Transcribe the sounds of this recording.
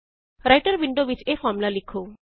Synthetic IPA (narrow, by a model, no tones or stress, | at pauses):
ɾajʈəɾʋiɳɖoʋit͡ʃefɔɾmulalikʰːo